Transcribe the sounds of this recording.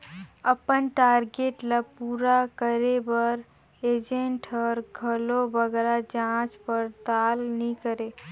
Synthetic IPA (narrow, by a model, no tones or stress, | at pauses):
əpənʈaːɾɡeʈlapuːɾakəɾebəɾ | ed͡ʒẽɳʈɔːɾɡʱəlobəɡɾad͡ʒãt͡ʃpəɾt̪aːlnikəɾe